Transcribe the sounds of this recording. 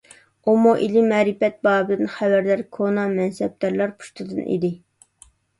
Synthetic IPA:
umuʔilɪmɛɾɪpɛt̪̚bɑːbɨd̪ɨnχævæɾd̪æɾkʰonɑmɛnsɛb̚t̪æɾlˠɑɾpʰu̥ʃt̪ɨd̪ɨnʔḭd̪ɪ

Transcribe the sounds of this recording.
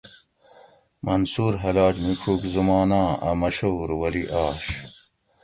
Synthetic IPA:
mɐnsuːɾɦɐlaːd͡ʑmikʰuːkzumɑːnãːɐ̰mɐɕoːɾwɐliʔaːɕ

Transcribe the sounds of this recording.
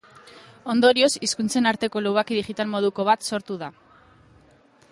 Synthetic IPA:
o̞nd̪o̞ɾio̞siskunt͡se̞naɾt̪e̞ko̞luwɣakiðiɣit̪almo̞ð̞uko̞β̞at̪so̞ɾt̪uða

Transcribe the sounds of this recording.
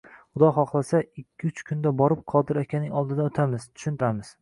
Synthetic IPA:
χʊd̪ɒɦɒχlˠasaɪkʲʰːɪʊt͡ʃkʰʊnd̪abɒɾɪp̚qʰɒd̪ɪɾakʲʰanɪŋɒlˠd̪ɪd̪aot̪ʰamɪzt̪ʰʊ̥ʃʊnt̪ʰɪɾamɪz̥

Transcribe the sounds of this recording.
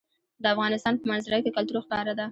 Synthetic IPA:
d̪əafɣɑnɪst̪ɑnpəmanzɾajk̪ekalt̪uɾoxkɑɾad̪a

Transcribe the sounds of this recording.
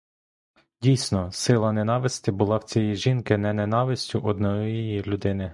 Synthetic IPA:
dʲijsʲnɔsɪlˠɐnenɑʋɪsʲt̪ʲɪbʊlˠɑwt͡sʲijiʒinkɪnɛnenɑʋɪsʲtʲʊʔɔd̪nɔjjijilʲʊd̪ɪnɪ

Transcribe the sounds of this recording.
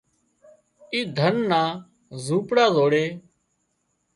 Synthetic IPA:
iːd̪ʱənːaː | zuːpɽaːzoːɽeː

